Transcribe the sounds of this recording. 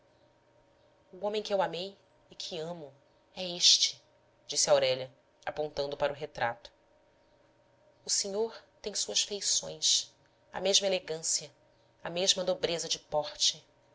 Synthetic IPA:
uõmẽj̃kɪewamej | ɪkʰɪɐ̃mʊ | ɛeʃt͡ʃɪ̥ | d͡ʒisɪawɾɛʎɐ | apõnt̪ɐ̃nd̪ʊpaɾʊɦet̪ɾa̰t̪ʊ̥ | ʊseɲoɾt̪ẽj̃suɐʃfejsõ̰j̃s | ɐ̰meʒmɐeleɡɐ̃siɐ | ɐmeʒmɐd̪obɾezɐd͡ʒɪpɔχt͡ʃɪ

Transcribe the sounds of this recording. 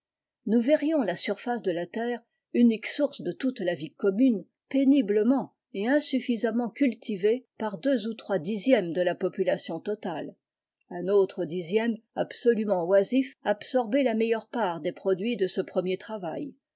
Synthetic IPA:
nuvɛʁjɔ̃lasyʁfasd̪əlat̪ɛːʁ | yniksuʁsd̪ət̪ut̪lavikɔmyn | penibləmɑ̃ | eɛ̃syfizamɑ̃kʲylt̪ʰivepaʁd̪øzut̪χwad̪izjɛmd̪əlapɔpylasjɔ̃t̪ɔt̪al | ɛ̃not̪χəd̪izjɛmabsɔlymɑ̃wazifabsɔʁbelamɛjœʁpaʁd̪epχɔd̪ɥid̪əsəpχəmjet̪χavaj

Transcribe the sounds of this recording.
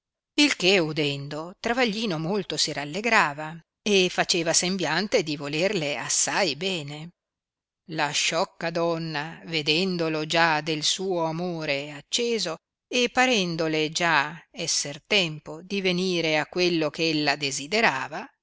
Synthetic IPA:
ilkeud̪ɛnd̪ot̪ɾavaʎːiːnomolt̪osiɾalːeɡɾaːva | efat͡ʃeːvasembjant̪ed̪ivolerleasːajbɛːne | laʃɔkːad̪ɔnːaved̪ɛnd̪olod͡ʒad̪elsuːoamoːɾeat͡ʃːeːzo | epːaɾɛnd̪oled͡ʒaɛsːert̪ɛmpod̪iveniːɾeakːwelːokeelːad̪ezid̪eɾaːva

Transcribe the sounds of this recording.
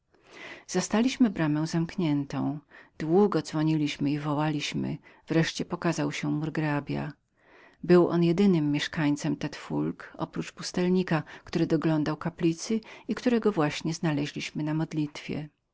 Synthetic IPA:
z̥ast̪alʲiɕmɘbɾamɛ̃w̃zamkɲɛnt̪ɔ̰̃w̃d̪̥wuɡɔd̪zvɔɲilʲiɕmɘivɔwalʲiɕmɘ̰v̥ɾɛʂt͡ɕɛpɔkazawɕɛmuɾɡɾabʲja̰ | bɘwʔɔnjɛd̪ɘnɘmːjɛʂkaɲt̪sɛmt̪ɛt̪fulkʔɔ̰pɾut͡ʂpust̪ɛlɲikakt̪uɾɘd̪ɔɡlɔnd̪awkaplʲit̪sɘikt̪uɾɛɡɔvwaɕɲɛznalɛʑlʲiɕmɘnamɔd̪lʲit̪fʲjɛ̰

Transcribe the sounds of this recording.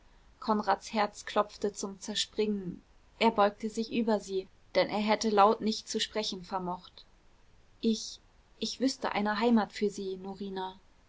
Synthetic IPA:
kʰɔnʁaːtshɛɐt͡skʰl̥ɔp͡ftət͡sʊmt͡sɛɐʃpʁ̥ɪŋən | ʔeːɐbɔʏk̚təzɪçʔyːbɐziː | d̥ɛnʔeːɐɦɛtəlaʊtnɪçtt͡suʃpʁ̥ɛçn̩fɛɐmɔχt | ʔɪç | ʔɪçv̥ʏstə̰ʔa̰ɪnəɦaɪmaːtfyːɐziːnoʁiːna

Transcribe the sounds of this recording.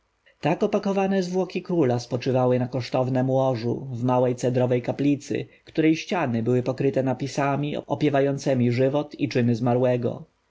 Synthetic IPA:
t̪akɔpakɔvanɛzvwɔkʲikɾulaspɔt͡ʂɘvawɘnakɔʂt̪ɔvnɛmwɔʐṵvmawɛjt̪sɛd̪ɾɔvɛjkaplʲit̪sɘ̰kt̪uɾɛjɕt͡ɕanɘbɘwɘpɔkɾɘt̪ɛnapʲisamʲḭɔ̰pʲjɛvajɔnt̪sɛmʲiʐɘvɔt̪it͡ʂɘmɘzmaɾwɛɡɔ̰

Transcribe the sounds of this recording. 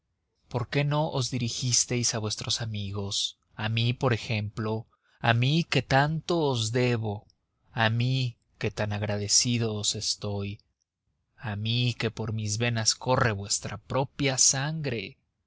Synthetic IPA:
po̞ɾke̞no̞ʔozðiɾixist̪e̞jsaβwe̞st̪ɾo̞samiɣo̞s | amipo̞ɾe̞xe̞mplo̞ | amike̞t̪ant̪o̞ːzðe̞βo̞ | ami | ke̞t̪anaɣɾað̞e̞siðo̞ːse̞st̪o̞j | amike̞po̞ɾmizβe̞nasko̞re̞βwe̞st̪ɾapɾo̞pjasaŋɡɾe̞

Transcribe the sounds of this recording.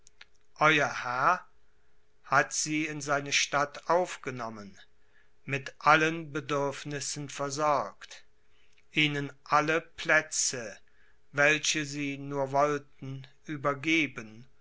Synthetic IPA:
ʔɔʏɐhɛɐ | hatz̥iːɪnzaɪnəʃtatʔaʊfɡ̥ənɔmən | mɪtʔalənbədʏɐfnɪsn̩fɛɐzɔɐkt | ʔiːnənʔaləpʰlɛt͡sə | vɛlɕəziːnuːɐvɔltn̩ʔyːbɐɡeːbən

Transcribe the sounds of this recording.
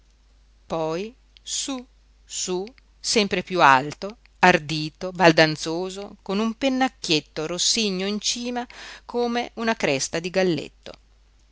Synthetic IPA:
pɔj | su | su | sɛmpɾepjualt̪o | ard̪iːt̪obald̪ant̪soːzokonumpenːakːjet̪ːoɾosːiɲːoint͡ʃiːmakʰoːmeʔunakɾɛst̪ad̪iɡalːḛt̪ːo̰

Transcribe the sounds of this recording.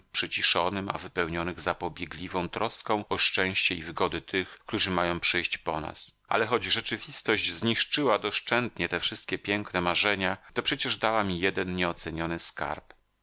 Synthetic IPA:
pʂɘt͡ɕiʂɔnɘma̰vɘpɛwɲɔnɘɣzapɔbʲjɛɡlʲivɔ̃w̃t̪ɾɔskɔ̃w̃ɔʂt͡ʂɛ̃w̃ɕt͡ɕɛivɘɡɔd̪ɘt̪ʰɘxkt̪uʐɘmajɔ̃w̃pʂɘjɕt͡ɕpɔna̰sʔa̰lɛxɔd͡ʑʐɛt͡ʂɘvʲist̪ɔʑd͡ʑzɲiʂt͡ʂɘwad̪ɔʂt͡ʂɛnt̪ɲɛt̪ɛfʂɘst̪̚kʲɛpʲjɛŋknɛmaʐɛɲat̪ɔpʂɛt͡ɕɛʐd̪awamʲijɛd̪ɛnɲɛɔt̪sɛɲɔnɘska̰ɾp

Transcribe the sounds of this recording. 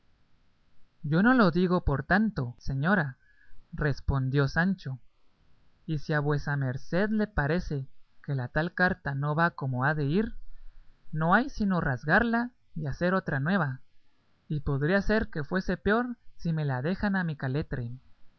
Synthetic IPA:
ɟ͡ʝo̞no̞lo̞ðiɣo̞po̞ɾt̪ant̪o̞se̞ɲo̞ɾa | re̞spo̞nd̪jo̞sant͡ʃo̞ | isiaβwe̞same̞ɾse̞ðle̞paɾe̞se̞ke̞lat̪alkaɾt̪ano̞βako̞mo̞aðe̞iɾ | no̞ajsino̞razɣaɾla | iase̞ɾo̞t̪ɾanwe̞βa | ipo̞ðɾiase̞ɾke̞fwe̞se̞peo̞ɾsime̞laðe̞xanamikale̞t̪ɾe

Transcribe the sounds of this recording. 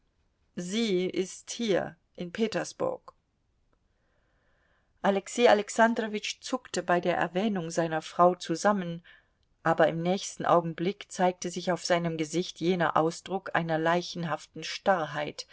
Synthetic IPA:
ziːʔɪsthiːɐ | ʔɪnpʰeːtɐsb̥ʊ̰ɐk | ʔalɛksiːalɛksandʁovɪt͡ʃt͡sʊktəbaɪdeːɐʔɛ̰ɐvɛːnʊŋzaɪnɐfʁ̥aʊt͡suzamən | ʔaːbɐɪmnɛːçstn̩ʔa̰ʊɡŋ̩blɪkt͡saɪk̚təzɪçaʊfz̥aɪnəmɡəzɪçtjeːnɐ̰ʔaʊsd̥ʁʊkʰʔa̰ɪnɐlaɪçn̩ɦaftn̩ʃtaʁɦaɪt

